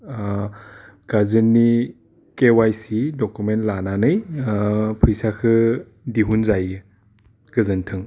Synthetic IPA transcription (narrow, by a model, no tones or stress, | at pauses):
ɡ̥azɯnːi | kewajsidɔkumentlananɯj | pʰɯjsakʰɯ | diɦunzajɯ | ɡ̥ɯzɯntʰɯŋ